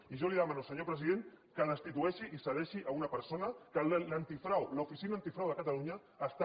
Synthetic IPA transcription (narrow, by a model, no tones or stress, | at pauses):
iʒoliðəmanusəɲopɾəziðeŋkəðəst̪it̪uɛʃiʔisəðɛʃiʔaunɐpəɾsonɐkəllant̪ifɾawlufisinaːnt̪ifɾawðəkat̪aluɲaːst̪a